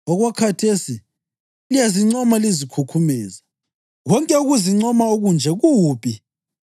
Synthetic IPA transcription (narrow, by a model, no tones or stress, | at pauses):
ɔɣwakʰatʰesi | lijaziŋ͡ǀɔmalizikʰukʰumɛːza | ɣɔŋkʼɛuɣuziŋ͡ǀɔmauɣund͡ʒʱɛɣuːpʰʼi